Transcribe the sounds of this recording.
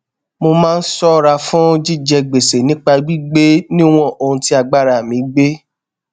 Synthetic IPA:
mo˧mãː˦˧n̩˦sɔ˦˨ɾa˧fũ˦d͡ʒi˦d͡ʒɛ˧ɡ͡be˨se˨nĩ˨˦k͡pa˧ɡ͡bi˦ɡ͡be˦nĩ˦w̃ɔ̃˦˨ʔo˧hũ˧ti˦a˧ɡ͡ba˦ɾa˨mĩ˨˦ɡ͡be˦

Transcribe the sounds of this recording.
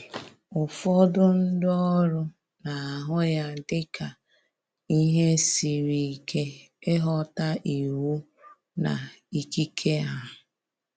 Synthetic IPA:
ʊ˨fɔ˦dʊ˦n̩˦dɔ˦ɾʊ˦ | na˨a˨ɦʊ˦ja˦dɪ˦ka˨ | i˦ɦe˦si˨ɾi˨kʰe˦ | e˦ɦɔ˦ta˦ʔi˨wu˦ | na̰˨ | i˦ki˦kʰe˦a˨ɦʊ˨

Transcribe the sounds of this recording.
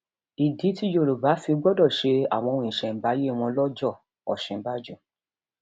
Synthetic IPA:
i˨di˨˦ti˦jo˦˨ɾo˨ba˨˦fi˧ɡ͡bɔ˦dɔ˦˨ʃe˧a̰˨w̃ɔ̃˧wĩ˧ĩ˨ʃɛ̃˨ba˨˦je˦˨w̃ɔ̃˧lɔ˦d͡ʒɔ˦˨ | ɔ̰˨ʃɛ̃˨˦ba˦d͡ʒɔ˦˨

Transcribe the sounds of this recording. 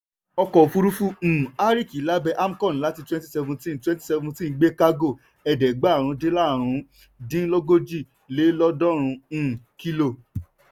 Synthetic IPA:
ɔ˧kɔ˨fu˧ɾu˦fũ˦˨a˦ɾi˦˨ki˨˦la˦bɛ˧ʔa˦m̩˦kɔ̃˦˨n˨la˦ti˧twɛ̃˦nti˦sɛ˧vũ˧tĩ˦n˨twɛ̃˦n˦ti˦sɛ˧vũ˧tĩ˦˧˦ɡ͡be˦ka˦ɡo˦˨ | ɛ˨dɛ˨ɡ͡ba˨˦˨ɾ̃ũ˧˦de˦la˦˨ɾ̃ũ˨˧˦ | dĩ˦lɔ˦ɡo˦d͡ʒi˦˨ | le˨˦lɔ˦dɔ̃˦ɾ̃ũ˧˨ki˦lo˦˨

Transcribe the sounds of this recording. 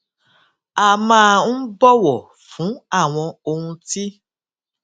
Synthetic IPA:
a˨mãː˦n̩˦bɔ˦wɔ˨ | fũ˨˦a˦˨w̃ɔ̃˧o˧hũ˧ti˦

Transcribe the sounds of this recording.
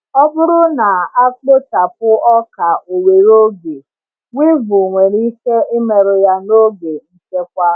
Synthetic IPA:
ɔ˦bʊ˦ɾʊ˦na˨a˦k͡po˦ta˨pʊ˦ɔ˦ka˨o˨we˨ɾo˦ɡe˨ | wʷi˦vʊ˨ŋʷe˨ɾi˦ke˦e˦me˨ɾʊ˨ja˦no˦ɡe˨n̩˦t͡ʃe˦k̚ʷa˦

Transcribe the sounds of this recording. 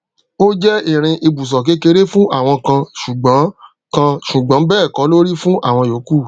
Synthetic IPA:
o˦d͡ʒɛ˦i˦˨ɾ̃ĩ˧ʔi˧bu˨s̬ɔ˨k̬e˨˦ke˧˦ɾe˦fũ˦ʔa˦˨w̃ɔ̃˧kã˧ʃu˨ɡ͡bã˨˦ | kã˧ʃu˨ɡ͡bã˨˦bɛː˦˨kɔ˨˦lo˦ɾi˦fũ˦ʔa̰˦˨w̃ɔ̃˧jo˨˦ku˦˨

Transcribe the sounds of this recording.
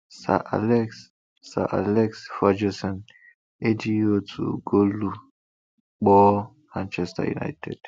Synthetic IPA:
sa̰˨ʔa̰lɛks | sa˨ʔa̰lɛ˦ksfa˦d͡ʒo˦sɔ̃˨n | e˦d͡ʒi˦o˦tʰṵ˨ɡo˦lu˦ | k͡pɔ˦ | ɾã˦nt͡ʃɛsta̰jṵ˨na̰˦jtʰḛd̥

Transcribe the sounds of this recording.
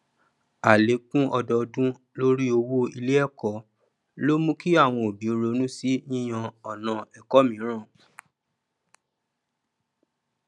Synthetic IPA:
a˨le˨˦kũ˦ʔɔ˧dɔ˧dũ˦ | lo˦ɾi˦o˧wo˦i˧le˦ɛ˦˨kɔ˨˦ | lo˦mũ˦ki˦a˦˨w̃ɔ̃˧o˨bi˨˦o˧ɾo˧˦nũ˦si˦nĩ˦j̃ã˧ɔ˨nã˧ɛ˨kɔ˦mĩ˨˦ɾ̃ã˦˨

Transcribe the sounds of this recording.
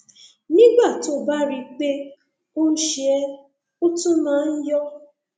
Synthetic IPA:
nĩ˦ɡ͡ba˦˨to˦ba˦ɾi˧k͡pe˦ | o˦n̩˦ʃe˨ɛ˦ | o˦tũ˦nãː˨˦n̩˦jɔ˦

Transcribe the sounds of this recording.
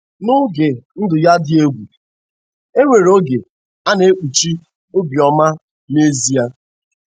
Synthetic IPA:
nʊ˦ɡe˨n̩˦dʊ˨ja˦dɪ˦e˦ɡʷu˨ | e˦ŋʷe˨ɾo˦ɡe˨ | a˦ne˦k͡pu˨t͡ʃi˦ | o˦bi˨ɔ˨ma˦ | ne˦zi˦a˦

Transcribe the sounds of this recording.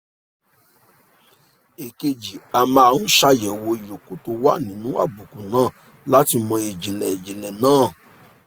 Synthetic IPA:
e˨ke˧d͡ʒi˨a˧mã˧a˧˨ɾũ˦ʃa˧jɛ˨wo˧i˨jo˨ko˨to˧wa̰˦˨nĩ˨˦nũ˦a̰˦˨bu˨ku˨nãː˦˨ | la˦ti˧mɔ̃˧e˨d͡ʒi˨lɛ˨e˨d͡ʒi˨lɛ˨nãː˦˨

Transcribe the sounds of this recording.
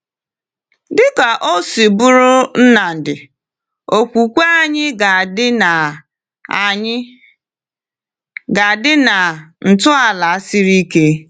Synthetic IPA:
dɪ˦ka˨ʔo˦si˨bʊ˦ɾʊ˦n̩˦na˨n̩˨dɪ˨ | o˨kʷu˨kʷa˦ɲɪ˦ɡa˨˦˨ | ɡa˨dɪ˦na˨n̩˨tʊ˦a˨la˨a˦si˦ɾi˦ke˦

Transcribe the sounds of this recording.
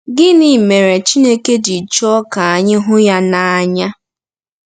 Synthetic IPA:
ɡɪ˦ni˨me˨ɾe˨t͡ʃi˦ne˦ke˦di˨t͡ʃɔ˦ka˨a˨ɲɪ˦ɦʊ˦ja˦na˨a˨ɲa˦

